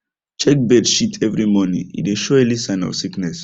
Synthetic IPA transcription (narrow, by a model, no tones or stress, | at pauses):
t͡ʃɛk̚bɛdʃitʰɛvɹimɔnḭ̃ḭteʃɔɛlisãɪ̃nɔ̰fsiknɛs